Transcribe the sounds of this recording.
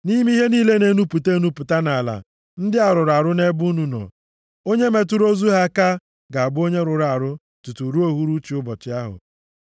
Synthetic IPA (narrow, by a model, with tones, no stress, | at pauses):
ni˦m˦i˦ɦe˦niː˦le˦ne˨nu˦pu˨te˦nu˦pʊ˨ta˦na˨la̰˨ | n̩˦dɪ˦a˨ɾʊ˨ɾa˨ɾʊ˦ne˦bu˦nu˨nɔ̰˨ | o˦ɲe˦me˨t̬ʊ˦ɾo˦zu˦ɦa˦ka˦ | ɡa˨a˨bʊ˦o˦ɲe˦ɾʊ˨ɾa˨ɾʊ˦ | tu˨tu˨ɾu˦o˦ɦu˦ɾu˦t͡ʃi˨ʊ˦bɔ˨t͡ʃɪ˦a˦ɦʊ̰˨